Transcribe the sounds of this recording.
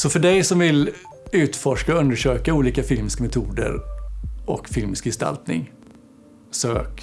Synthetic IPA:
sɔfœɖɛjsɔmvɪl | ʉ̟ːt̪fɔʂkaɵnd̪əʂøːkauːliːkafɪlmɪskamɛt̪ʰuːd̪ə̰ɾʔɔ̰kfɪlmɪskjɛst̪a̰lt̪nɪ̰ŋ | søːk

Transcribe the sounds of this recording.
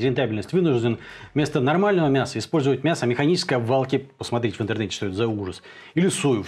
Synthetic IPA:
ɾʲɪnt̪abʲɪlʲnəsʲtʲvɨnʊʐdʲɪnmʲe̞st̪ənɐrmalʲnəvəmʲasəɪspo̞lʲzəvət̚ʲmʲasəmʲɪxɐnʲit͡ɕɪskəjvɐlˠkʲɪpəsmɐt̪ɾʲetʲvɨnt̪ɨrnɛtʲɪ̥ʂt̪oet̪zɐuʐəs | ilʲɪsujʊ

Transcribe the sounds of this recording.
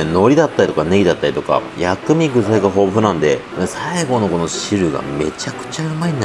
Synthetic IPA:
no̞ɾʲid̪at̪ːaɾʲit̪okaneɡʲid̪at̪ːaɾit̪o̞ka̰jakɯ̟mʲiɡɯ̟zaiɡaɦo̞ːbɯɸɯ̟nãnd̪e̞ | mesaiɡo̞no̞ko̞noɕiɾɯ̟ɡa̰me̞̰t͡ɕakɯ̟̥t͡ɕaɯmaiɲ̟in

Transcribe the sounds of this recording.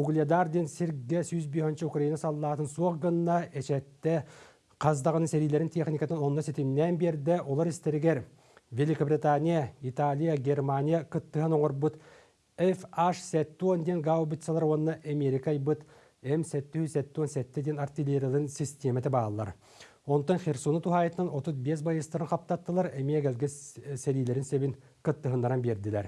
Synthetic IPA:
uɡlʲad̪aɾd̪ʲensʲeɾɡɡʲesujɪzbehɪnʃəukrainasɑlˠːɑt̪ənsoqɡənnːɑeʃæt̪ːɪ | qʰɑzd̪ɑʁənəŋsʲeɾijlʲe̞ɾɪnt̪ʰeχnʲikat̪ənwonnɑset̪emnːenbeɾd̪ɪwʔolˠɑɾɪst̪eɾɡʲeɾ | vʲelʲikobɾit̪anʲijait̪alʲijaɡʲe̞rmanʲijakət̪ːəɦənoɴəɾbut̪ | efaʃsæt̪ːwond̪ʲenɡawbɪt̪sɑlˠɑɾwonnːɑʔɐmʲeɾʲikajbɯt̪ | emsæt̪ːyhysæt̪ːwonsæt̪ːɪd̪ʲenart̪ʲilʲeɾʲijalˠnsʲisʲt̪ʲemet̪ebɑlˠlˠɑ̰ɾ | wont̪ːəɴχʲersonət̪ʰuɦɑit̪ənənot̪ət̪̚bes̬bɑjəst̪əɾənqʰɑp̚t̪ɑt̪ːəlˠɑɾemʲieɡʲælɡʲesælijleɾɪnsebin | kə̆t̪ːəɦɯnd̪ɑɾɑnbe̞ɾd̪ɪlæɾ

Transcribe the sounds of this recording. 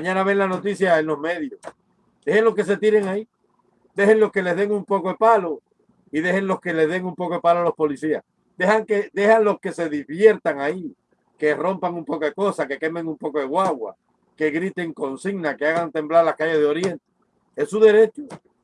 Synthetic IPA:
mãɲãnaβe̞ŋlano̞t̪isjaenlo̞sme̞ðjo̞s | d̪e̞henlo̞ske̞s̬e̞t̪iɾe̞ŋai | d̪e̞henlo̞ske̞le̞zðeŋumpo̞koðepalo̞ | iðe̞he̞ŋlo̞ske̞le̞zðe̞ŋumpo̞koepaloalo̞spo̞lisias | d̪e̞haŋked̪e̞haŋlo̞ske̞se̞ðizβje̞ɾt̪aŋai | ke̞ro̞mpaŋumpo̞koðeko̞sake̞ke̞me̞ŋumpo̞koðeɣwaɣwa̰ | ke̞ɣɾit̪e̞ŋko̞nsiɣnakeaɣant̪e̞mblaɾlaskaʝe̞zðeo̞ɾje̞nt̪e̥ | esuðe̞ɾe̞t͡ʃo

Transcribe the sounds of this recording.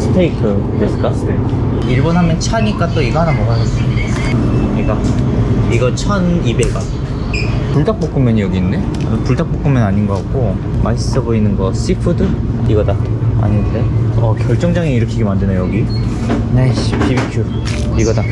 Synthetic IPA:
sʰɯ̥tʰeikʰɯ | tesk͈astʰekʰ | iɭbʌnɦamjʌnt͡ɕʰaɲik͈at͈oiɡʌɦanamokaɡʌs͈ɯia | ɲik͈a | iɡʌt͡ɕʰʌnibeɡan | puɭdak̚p͈ok͈ʰumjʌɲijʌɡiːnde̞ | a̰mpuɭdak̚p͈ok͈ɯmjʌnaɲinɡʌak͈o | mais͈ɯboinɯnɡʌs͈ipʰɯdɯiɡʌdaa̰ɲinɯnde̞ʌkjʌɭt͡ɕ͈ʌŋd͡ʑaŋeiɾʌkʰiɡemandɯnejʌɡi | nepʰibikʰju | iɡʌda

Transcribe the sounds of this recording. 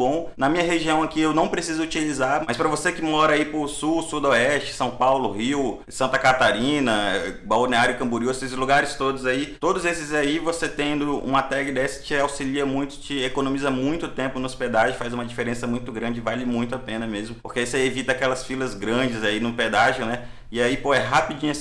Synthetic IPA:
bõnɐmĩɲɐɦeʒiɐ̃w̃akiewnɐ̃w̃pɾesizʊut͡ʃilizaɾmɐjspɾɐvosekɪmɔɾɐaipʊsusud̪ɔɛst͡ʃɪ̥sɐ̃w̃pawlʊhiw | sɐ̃nt̪ɐkat̪aɾĩnɐbaneaɾjʊkɐ̃buɾiwesɪsluɡaɾɪst̪od̪ʊzait̪od̪ʊzesɪzaivoset̪ẽd̪ʊṵ̃mɐt̪ɛɡɪd̪ɛsɐ̥t͡ʃɪawsiliɐmũj̃t̪ʊ̥t͡ʃɪekonõmizɐmũj̃t̪ʊt̪ẽmpʊnʊsped̪aʒʊfazũmɐd͡ʒifeɾẽsɐmũj̃t̪ʊɡɾɐ̃d͡ʒɪvalɪmũj̃t̪ʊapẽnɐmezmʊpohkeseevit̪ɐakɛlɐsfilɐzɡɾɐ̃d͡ʒɪzainʊped̪aʒʊnɛ | ɪaipoɛɦapid͡ʒĩɲɐs

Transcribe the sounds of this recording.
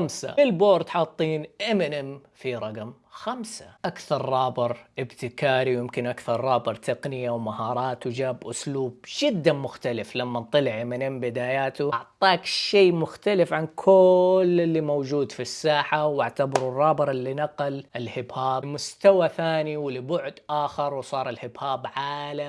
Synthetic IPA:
amsa̰ɪlboːɾˤt̪ħɑt̪ˤːiːnʔɪmɪnɪm | fiɾˤɑɡm | xamsḁʔakθɑɾˤːɑːbɪɾˤʔɪbt̪ɪkaːɾiwjɪmkɪnʔakθɑɾˤːɑːbɨɾˤt̪ʰɪqnɪjawmahɑːɾˤɑːt̪wd͡ʒaːbʔʊsluːbd͡ʒɪd̪ːamʊxt̪alɪflamːant̪ˤɨlɪʕʔɪmɪnɪmbɪd̪aːjaːt̪uʔʕt̪ˤɑːkʃeːmʊxt̪alɪfʕankʰʊlɪlːimawd͡ʒuːd̪fisːaːħawaʕt̪abɑɾˤʊrˤːɑːbɨɾˤɪlːinaqlɪlhɪbhaːbmʊst̪awaθaːniwɪlɪbʊʕd̪ʔaːxɪɾˤwsˤɑːɾˤɪlhɪbhaːbʕaːla

